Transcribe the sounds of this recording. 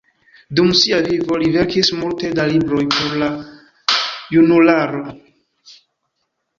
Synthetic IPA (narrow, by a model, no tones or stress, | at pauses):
dumsiavivo̞live̞ɾkismulte̞dalibɾo̞jpʰo̞ɾla | junulaɾo̞